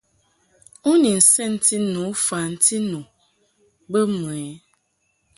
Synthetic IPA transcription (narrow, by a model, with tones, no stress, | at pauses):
u˦ni˨n̩˨sɛ˦n̩˦ti˦nũ˨˦fa˨n̩˦tʰi˦nũ˨ | bə˦m˨ɛ˨˦